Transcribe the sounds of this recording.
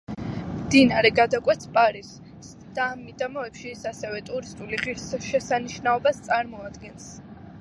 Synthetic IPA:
md̪inaɾɛɡad̪akʼwɛt̪sʰpʼaɾis | s | d̪̥aːmːid̪amɔɛpʃisasɛvɛt̪ʼuɾist̪ʼuliʁiɾsʃɛsaniʃnaɔbast̪sʼaɾmɔad̪ɡɛns

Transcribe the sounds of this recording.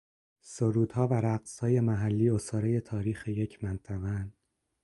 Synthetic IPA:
soɾuːd̪̥hɒːvæɾæɢshɒːje̞mæɦælːiːosɒːɾeje̞t̪ʰɒːɾiːxeje̞cʰmænt̪ʰæɣæn

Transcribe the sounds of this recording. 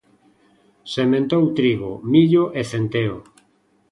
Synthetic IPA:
semẽnt̪owt̪ɾiɣomiʎoʔeθent̪eo

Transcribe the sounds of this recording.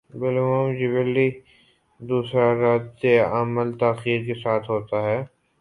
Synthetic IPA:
bɪlmoːmd͡ʒɪbəlːi | d̪uːsɾaɾaːt̪eəməlt̪aːxiːɾkesaːt̪ʰɦoːt̪aɦɛː

